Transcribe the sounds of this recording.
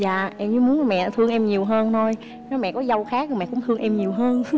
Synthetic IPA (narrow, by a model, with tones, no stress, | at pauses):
zaː˨ʔɛ˧mɲɨ˧˦mu˨˦ənla˨˩mɛ̰˧˨˩t̪ʰɨ˧əŋʔɛ˧mɲi˨˩əwɦəː˧nt̪ʰo˧j | nɔ˨˦jmɛ̰˧˨kɔ˨˦zə˧wxaː˦˥k̚ə˨˩mɛ̰˧˨kʊ̰˧˥ŋ͡mt̪ʰɨ˧əŋʔɛ˧mɲi˨˩əwɦəː˧n